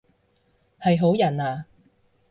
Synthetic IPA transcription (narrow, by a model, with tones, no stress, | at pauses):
hɐ˨jɦo˨˥wjɐ˨˩naː˨˧